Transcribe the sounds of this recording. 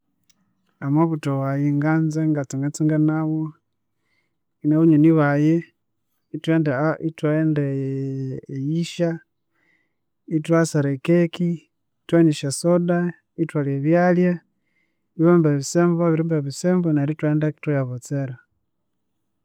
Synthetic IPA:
amoβutowajiŋɡanzeŋɡat͡siŋat͡siŋɡanaβo | ineβuɲeniβaje | itwendaitwaendeː | jiʃa | itwasaɾekeki | tweɲiʃasoda | itwaleβjalja | iβoːmbeβiseːmboβiɾimbeβisembonaɾitweːndaki̥twajaβot͡seɾa

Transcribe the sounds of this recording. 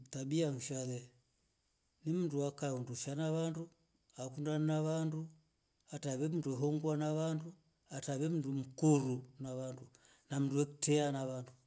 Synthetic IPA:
taɓiaŋ̩ʃalɛ | nim̩nduakaunduʃanaʋandu | akundaninaʋandu | ataβɛm̩duɛɦɔŋɡwanaβandu | ataβɛm̩ndum̩kuɾunaβandu | nam̩nduɛku̥tɛanaβandu

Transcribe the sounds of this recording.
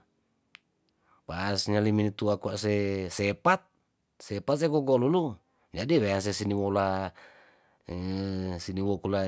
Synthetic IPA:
paːsɲaliminit̪uakuaʔsesepat̪̚ | sepat̪̚sekɔɡɔlulu | d͡ʒadiweans̬esiniwola | siniwokula

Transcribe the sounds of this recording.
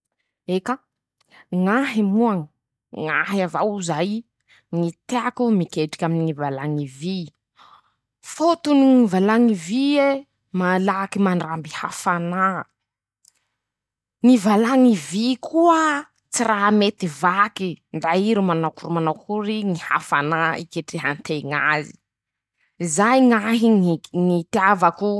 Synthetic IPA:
eka | ŋaɦimuaŋ | ŋaɦiavawuzaj | ŋit̪eakumikeʈ͡ʂi̥kʲaminiŋivalaŋivi | fot̪uniŋivalaŋivie | malakimaɳɖ͡ʐambiha̰fana | ŋivalaŋivikʰuə | t͡siraɦmet̪ivakind̪aiɾumanawkuɾimanawkʰuɾiŋiha̰fanaikeʈ͡ʂiɦant̪ʰeŋa̰zi̥ | izajŋaɦiŋit̪javaku

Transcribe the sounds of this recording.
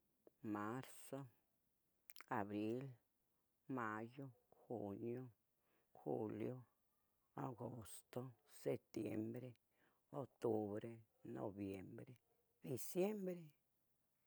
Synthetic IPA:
maɾso | abɾil | majoxunjo | xṵljo | aɡost̪oset̪jḛmbɾe | ot̪ubɾe | no̰bjembɾe | d̪isjembɾe

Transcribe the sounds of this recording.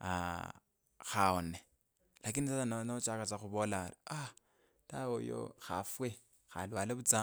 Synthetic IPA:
a̰ | xaone | lakinisasananot͡ʃakat͡saxuβolala | tawojo̰xa̰fwe | xa̰lwaleβut͡sa

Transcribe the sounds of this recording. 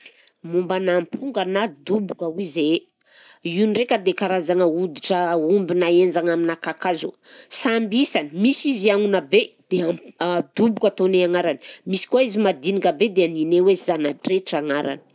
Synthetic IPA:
mumbanampʰuŋɡanad̪ubukəwize | iunirekʲəd̪ekaɾazaŋəud̪iʈ͡ʂəumbinaend͡ʒaŋaminakakazosambisanəmisiziaŋunabed̪̥ead̪ubukat̪oneaŋaɾanimisi̥kaizimad̪inikəbed̪eaninewezanaʈ͡ʂeʈ͡ʂaŋaɾa̰nə̥

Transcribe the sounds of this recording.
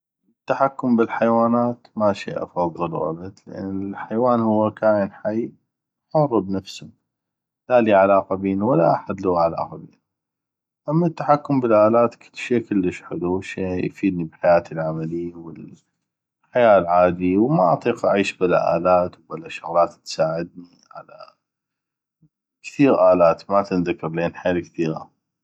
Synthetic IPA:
t̪ːaħakːʊmbɪlħajwaːnaːt̪maʃḭːʔɑ̰fɑðˤːɨlwʔa̰bad̪lɪ̰ʔa̰nːɪlħajwaːnhʊwːakaːʔənħaj | ħʊrˤːbnafsʊm | laliːʕalaːqabiːnwalːaʔaħad̪laʕala̰ːqabḛːn | ʔamːat̪ːḁħakːʊmbɪlʔaːlaːt̪kʰɪlːʃeːkɪlːəʃħʊluʃiːjfiːd̪nibħajaːt̪əlʕamalɪjawɪl | ħajaːlʕaːd̪iwmaʔɑ̰t̪ˤiːqʔaʕiːʃbala̰ʔa̰ːlaːt̪wbalːaʃʊɣlaːt̪t̪saːʕɪd̪̚ni | ʕa̰la̰ | kθiːɣʔaːlaːt̪mat̪ɪnðakːɑɾˤleːnħaaːlkθiːɣa̰

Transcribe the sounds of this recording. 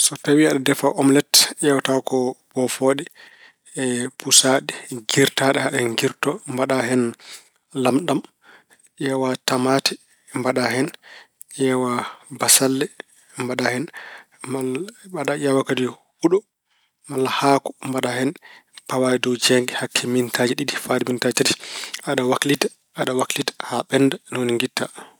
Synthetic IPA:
sɔtawiaɗadɛfaʔɔmlɛtʔɛwatawkɔb̥ɔfoɗɛ | ɛpusaɗɛɡiɾtaɗɛhaɗɛŋɡiɾtɔmbaɗahɛn | lamɗam | ʔɛwatamaːtɛ | mbaɗahɛn | ʔɛwabasalːɛ | mbaɗahɛn | aɗajawakadi | huɗɔ | malːahaːkɔmbaɗahɛnpawajɛdɔwd͡ʒɛŋɡɛhakʰːimintʰad͡ʒiɗiɗifadimintad͡ʒtatiaɗawaklita | ʔaɗawaklitḁhaɓɛndanoniŋɡitːa

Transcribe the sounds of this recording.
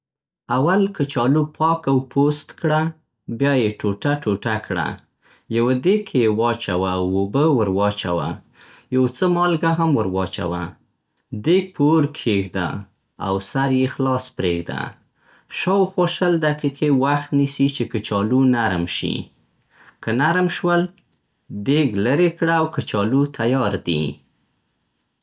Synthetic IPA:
awalkət͡ʃɑlupʰɑkawpʰost̪kɽa | bjɑjeʈoʈaʈoʈakɽa̰ | jawad̪ekʰejewɑt͡ʃawaːwobəwəɾwɑt͡ʃa̰wa̰ | jawt͡səmɑlɡaɦamwəɾwɑt͡ʃa̰wa̰ | d̪epʰoɾkʰeɡd̪a̰ | a̰wsaɾjexlɑspɾeɡd̪a̰ | ʃawxoʃəld̪aqiqewaxt̪nisit͡ʃekət͡ʃɑlunaɾmʃḭ | kənaɾmʃwəl | d̪eɡləɾekɽaawkət͡ʃɑlut̪ʰajɑɾd̪ḭ

